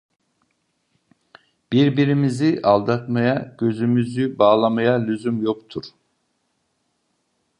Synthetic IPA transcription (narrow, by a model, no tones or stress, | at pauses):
b̥iɾbiɾimiziʔalˠd̪at̪majaɟ̥ø̞zymyzybaːlˠamajalʲyzymjo̞kt̪ʰuɾ̥